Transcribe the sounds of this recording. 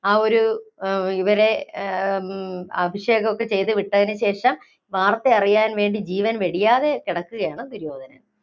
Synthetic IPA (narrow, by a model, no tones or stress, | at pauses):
aːo̞ɾu | iʋɐɾe̞ | ɐbʱiʂjeːɣɐmokːe̞t͡ɕe̞jt̪ɨʋiʈːɐðinɨɕe̞ːʂɐm | ʋaːrt̪ːe̞ɐrijaːnʋe̞ːɳɖid͡ʑiːʋɐnʋeɽijaːðe̞kiɽɐkːuɣɐjaːɳɨd̪uɾjo̞ːd̪ʱɐnɐ̰m